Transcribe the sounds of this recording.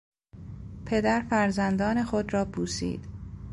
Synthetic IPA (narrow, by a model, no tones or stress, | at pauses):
pʰe̞d̪æɾfæɾzænd̪ɒːne̞xod̪ɾɒːbʰuːsḭːd̪̥